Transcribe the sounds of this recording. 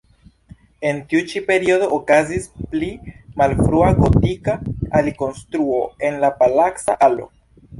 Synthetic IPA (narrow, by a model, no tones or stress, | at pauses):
e̞ntiut͡ʃipe̞ɾiodo̞ʔːkazisplimalfɾuaɡo̞tikaaliko̞nstɾuo̞e̞nlapalaksa̰ʔalo̞̰